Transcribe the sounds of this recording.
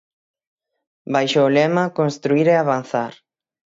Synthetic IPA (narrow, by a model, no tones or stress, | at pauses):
bajʃoːlɛmakonst̪ɾuiɾeaβan̟θaɾ